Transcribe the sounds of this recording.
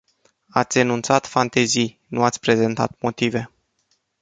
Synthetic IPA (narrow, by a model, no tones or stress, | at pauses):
at̪sʲenunt̪sat̪fant̪e̞zij | nuat̪sʲpɾe̞ze̞nt̪a̰t̪mo̞t̪ive̞